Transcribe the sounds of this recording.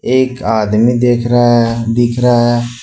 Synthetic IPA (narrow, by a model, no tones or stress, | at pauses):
eːkaːd̪mid̪eːkʰɾd̪ɪkʰɾɐaɦɛː